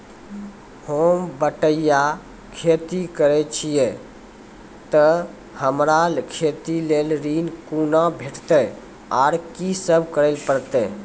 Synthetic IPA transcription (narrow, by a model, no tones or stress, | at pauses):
hombəʈəja | kʰet̪ikəɾɛt͡ʃʰije | t̪ə | həmɾalkʰet̪ilelɾinkunabʱeʈt̪ɛ | aɾkisəbʱkəɾɛlpəɾt̪ɛ